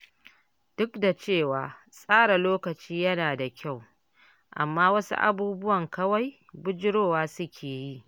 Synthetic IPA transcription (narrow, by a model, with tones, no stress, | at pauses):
d̥ʊ˦kda˨t͡ʃeː˦˨waː˨ | sʼaː˦ɽa˨loː˦kɐ˨t͡ʃiː˦jɐ˦naː˨da˨kʲʰa˦˨w | ʔa̰˨mːaː˦wɐ˦sṵ˦ʔa̰˨buː˦bʊ˦wɐ˨ŋkɐ˦wa˦j | bʊ˦d͡ʒɪ˦ɽoː˦˨waː˦sʊ˦kʲʰeː˨ji˦˨ʔ